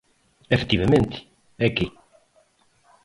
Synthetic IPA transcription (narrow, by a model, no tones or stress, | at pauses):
efe̥t̪iβemẽnt̪ɪ̥ | ɛke